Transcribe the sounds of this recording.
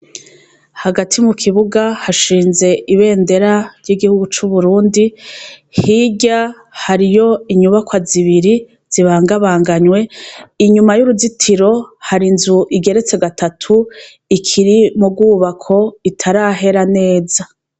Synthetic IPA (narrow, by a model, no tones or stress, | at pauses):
haɡatʰimukʰiβuɡahaʃiːnze̞ʔiβe̞ːnde̞ɾaɾjiɡihuɡut͡ʃuβuɾuːndihiɟa | haɾijo̞iɲuβakwaziβiɾi | z̥iβaːŋɡaβaːŋɡaɲwe̞iɲumajuɾuzitʰiɾo̞haɾinzuʔiɡe̞ɾe̞t͡se̞ɡatʰatʰu | ikʰiɾimub̚ɡuːβakʰo̞itʰaɾaɦe̞ɾane̞ːza